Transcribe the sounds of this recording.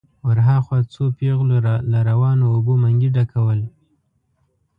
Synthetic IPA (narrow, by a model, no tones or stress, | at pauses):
wəɾɦaxwɑt͡sopeɣloɾalaɾawɑnoːbomaŋɡiɖakʰawəl